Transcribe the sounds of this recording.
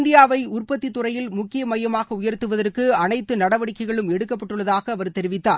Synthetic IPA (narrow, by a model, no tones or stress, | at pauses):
nd̪ɪjaːʋɐɪʊrpɐt̪ːit̪ːʊrɐjɪlmʊkːɪjɐmɐjɐmaːɣɐʊjɐɾt̪ːɯʋɐðɐrkɯɐnɐɪt̪ːɯnɐɽɐʋɐɽɪkːɐɪɣɐɭɯmɛɽɯkːɐp̬ːɐʈːɯɭːɐðaːɣɐːʋɐɾt̪ɛɾɪʋɪt̪ːaː